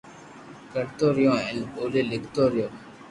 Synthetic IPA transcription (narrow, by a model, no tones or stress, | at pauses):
kəɾt̪oːɾɪjõːɛnoːleːlɪkʰt̪oːɾɪjõː